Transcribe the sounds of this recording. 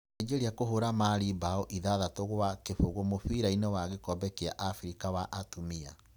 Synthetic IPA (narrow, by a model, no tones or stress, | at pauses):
d͡ʒeɾiakoɦoɾamaɾibaɔʔiðaðatoɣwakefoɣomofiɾainewaɣekɔbɛkea̰ʔafɾikawaʔatumia̰